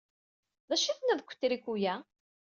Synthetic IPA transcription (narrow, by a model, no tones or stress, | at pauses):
ðæʃiθnæðkʷːə̥t̪ːɾikʷːujæ